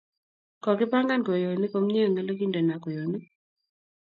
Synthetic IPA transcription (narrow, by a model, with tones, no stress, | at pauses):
kɔ˨kɪ˦pa˦ŋɡa˦nko˨jo˨ni˦ko˦mɲ˦e˦˨ŋɛ˦lo˦ɡi˦ndɛ˨na˨kɔ˨jo˨ni˦